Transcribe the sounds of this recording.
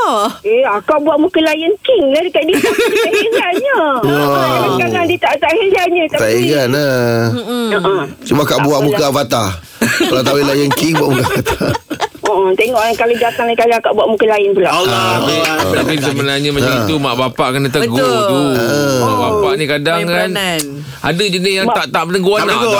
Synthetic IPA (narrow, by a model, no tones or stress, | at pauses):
eakaʔbuaʔmukəlajənkiŋladikaditaad͡ʒaɲə | akaɡaŋdit̪aʔt̪aʔhəlaɲat̪aaiɡana | əʔət͡ʃumakaʔbuaʔmukavat̪a | lat̪awilajənkiŋbuaʔmukafat̪ḁəʔət̪eŋɔʔakaləd͡ʒak̪aŋlak̪aliakaʔbuaʔmukəlaɪnpulaaaiət̪apis̬əbənarɲamad͡ʒaŋit̪umaʔbapaʔkənat̪əɡ̪ut̪uəmabapaʔnikadaŋkan | ʔa̰dəd͡ʒənɪsjaŋaʔt̪aʔmənəɡuana